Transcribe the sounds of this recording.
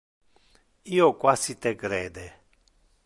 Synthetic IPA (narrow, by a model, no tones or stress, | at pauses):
iokwasit̪eɡɾed̪e